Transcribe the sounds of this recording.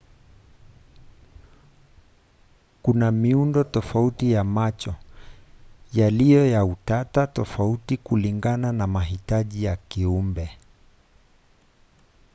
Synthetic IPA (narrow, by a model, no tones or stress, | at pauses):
kunamiundɔtɔfautijamat͡ʃɔ | jalijɔjautatatɔfautikuliŋɡananamaɦitaʄijakiumbɛ